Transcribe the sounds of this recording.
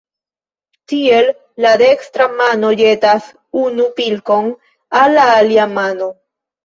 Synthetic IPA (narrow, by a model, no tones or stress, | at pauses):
t̪ielː | aðekst̪ɾamanoʎet̪as | unupilkoŋ | alaaljamano